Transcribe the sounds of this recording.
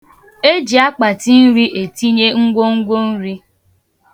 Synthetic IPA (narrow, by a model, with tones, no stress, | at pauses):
e˦d͡ʒi˨a˦k͡pa˨ti˦n̩˦ɾi˦ʔe˨ti˦ɲe˦ŋ̩˦ɡʷo˦ŋ̩˦ɡʷo˦n̩˦ɾi˦